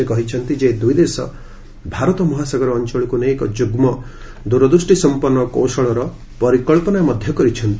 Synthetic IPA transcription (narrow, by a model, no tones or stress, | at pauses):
ekɔɦit͡ʃʰɔnt̪id͡ʒed̪ujd̪esɔ̰ | bʱaɾɔt̪ɔmɔɦasaɡɔɾɔːnt͡ʃɔɭikunekɔd͡ʒuɡmɔ | d̪uɾɔd̪usʈisɔmpɔɾnːɔkowsɔɭɔɾɔ | pɔɾikɔɭpɔnajmɔd̪ʱjɔkɔɾit͡ʃʰɔnt̪i